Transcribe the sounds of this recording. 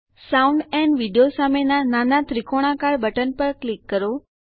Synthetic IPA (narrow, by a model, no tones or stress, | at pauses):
sawuɳɖɛ̃ɳɖʋiɖijosamenananat̪ɾikʰoɽ̃akaɽbəʈənpəɾklikːəɾo